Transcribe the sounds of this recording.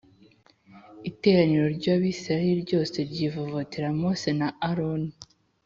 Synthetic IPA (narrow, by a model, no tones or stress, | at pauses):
ite̞ːɾaniɾo̞ɾɟaːβisaɾiɾɟo̞ːse̞ɾɟivovotiɾamosenaaɾoni